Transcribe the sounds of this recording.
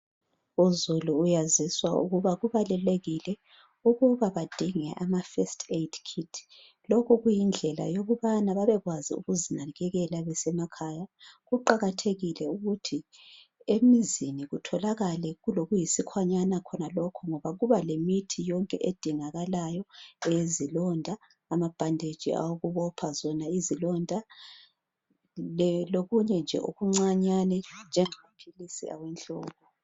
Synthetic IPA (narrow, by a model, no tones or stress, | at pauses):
uzuluːjaziswaṵɣuβaɣuβalɛleɣilɛ | uɣuβaβad̥ʱiŋɛ̰ʔamafɛstʰetʰkʰitʰ | lɔkʰɔɣujind͡ɮʱɛla̰joɣuβanaβaβɛɣwazḭṵɣuzinaɣɛɣɛlaβɛsɛmakʰajaɣuǃaɣatʰeɣilɛuɣutʰi | emiziniɣutʰɔlaɣalɛɣuloɣujisikʰwaɲanakʰɔnalɔkʰɔŋɔβaɣuβalemitʰijɔŋkʼɛ̰ʔed̥ʱiŋaɣalajɔɛjezilɔndʱaː | mab̥ʱandʱed̥ʒ̥ʱḭa̰woɣuβɔpʰazɔnaizilɔndʱa | loɣuɲɛnd͡ʒʱɛ̰ʔo̰ɣuŋ͡ǀaɲanɛnd͡ʒʱɛŋamapʰilisḭa̰wɛnɬʼɔːβɔ